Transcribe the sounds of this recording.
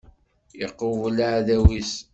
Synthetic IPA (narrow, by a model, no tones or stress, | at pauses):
əqːovlʕðæwis